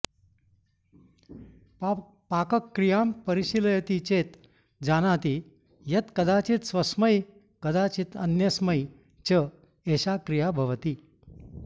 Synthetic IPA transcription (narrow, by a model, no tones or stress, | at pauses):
pakəkːɾijampəɾiɕiljət̪it͡ɕet̪ | d͡zanat̪i | jɐt̪kəd̪at͡ɕit̪sʋəsməj | kəd̪at͡ɕiːt̪ə̰njəsməj | t͡ɕə | eɕakɾijabʱəʋt̪iː